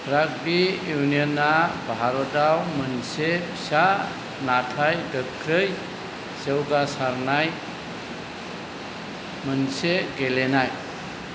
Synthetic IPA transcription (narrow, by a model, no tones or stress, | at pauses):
pɾaɡ̚bijunijɔnːabaɦaɾɔdawmɯnsepʰi̥sa | natʰajɡəkʰɾɯj | sewɡasaɾnaj | mɯnseɡelenaj